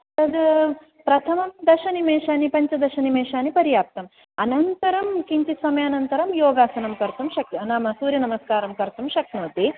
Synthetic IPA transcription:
t̪ɐd̪ | pɾɐt̪ʰɐmɐmd̪ɐʃɐnimeːʃaːnipɐɲt͡ʃɐd̪ɐʃɐnimeːʃaːnipɐɾjaːp̚t̪ɐm | ɐnɐnt̪ɐɾɐmkiɲt͡ʃ̪isʋɐmjɐːnɐnt̪ɐɾɐmjoːɡaːsɐnɐmkɐɾt̪ɐmʃɐknaːmɐsuːɾjɐnɐmɐskaːɾɐmkɐɾt̪umʃɐknoːt̪i

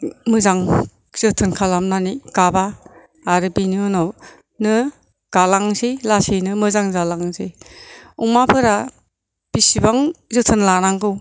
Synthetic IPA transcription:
mɯzaŋ | z̥ɯtʰɯnkʰalamnanikabaː | ɾɯbiniɔnɔ | nɯ | ɡ̥alaŋsilasinɯmɯzaŋzalaŋze | uŋmapʰɯɾa | b̥isibaŋzɯtʰɯnlanaŋɡɯw

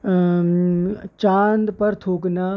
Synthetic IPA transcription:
t͡ʃaːnd̪pɐɾt̪ʰoːknaː

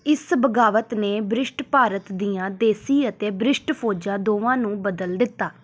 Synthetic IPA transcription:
ɪsbəɡaːʋət̪neːbɾɪsʈpaːɾət̪d̪ijãːd̪eːsiːət̪eːbɾɪsʈpʰoːd͡ʒãːd̪oːʋãːnũːbəd̪əld̪ɪt̪ːaː

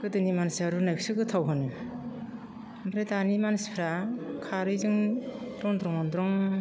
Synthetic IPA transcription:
kɯdɯnimansaɾunajk̚sɯɡɯtʰawɦɯnɯ | mbɾedanimansi̥pʰɾakʰaɾɯjzɯŋdɾɔŋndɾɔŋɔndɾɔŋ

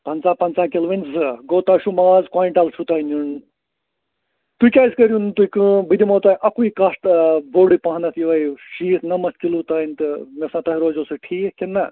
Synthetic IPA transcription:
pɐnt͡saːpɐnt͡saːkʲelʋinʲzɨɡoːt̪aːʃumaːzkwaːiɳʈɐlt͡ʃʰut̪aːinun | t̪uikʲaːskɐɾʲjunt̪uikɨbɨd̪imɐːt̪aːjʔɐkuikɐsʈboːɽipɐɦnɐt̪ʰjiʋɐjʃiːt̪nɐmɐst̪̚ʰkilut̪aːinʲt̪ɨmʲesãt̪ɐɦiɾoːzosɨʈʰiːkʲenːɐ

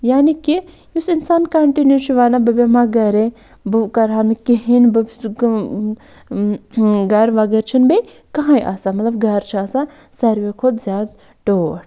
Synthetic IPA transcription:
jaːniki | usinsaːnkɐɳʈinjuːt͡ʃʰuʋaːnabɐbemaɡɐɾe | bɨkɐɾankiɦinbɐb | ɡɐɾʋaɡɐɾt͡ʃʰinbɐ | kɐɦãiʔa̰samɐt̪lɐbɡɐɾt͡ʃʰasa | sɐɾʋekʰʊd̪zʲjaːd̪ | ʈoːɽ

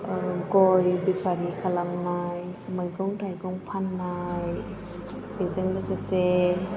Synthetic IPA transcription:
ɡɔjbipʰaɾikʰalamnajmɯjɡɔŋtʰajɡɔŋpʰanːaj | bezeŋlɯbɯse

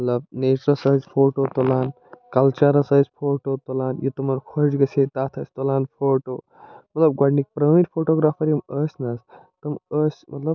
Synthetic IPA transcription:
mɐt̪lɐb̚neːt͡ʃɾɐsɐɦɐd͡ʒpʰoːʈot̪olaːn | kɐlt͡ʃɐɾɐsɐɦzʲpʰoːʈoːt̪olaːnjit̪umɐɾkʰoɾd͡ʒɡɐsʰet̪aːt̪ʰɐsʲt̪olaːnpʰoːʈoː | mɐt̪lɐb̚ɡwaːɖnik̚pɾəʋĩnpʰoːʈoːɡɾaːpʰɐɾjiməːsʲnɐst̪ɐməːsʲmɐ̰t̪lɐb̚

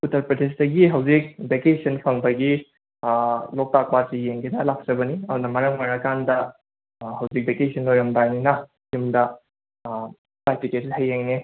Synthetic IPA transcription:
utʰɐɾpɾɐdesdɐɡiɦɐwzik̚bekesɐnpʰɐŋbɐɡi | lɔk̚tak̚pasijeŋɡenɐlak̚t͡ʃɐbɐniɐmundɐmɐɾɐŋmaɾɐkandɐ | ɦɐwzik̚bekesʰɐnlojomdajninɐ | himdɐ | tajpitethɐjːeŋne

